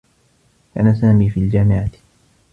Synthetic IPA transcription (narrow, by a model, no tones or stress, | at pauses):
ʔanasaːmiːfiːld͡ʒaːmɪʕḁ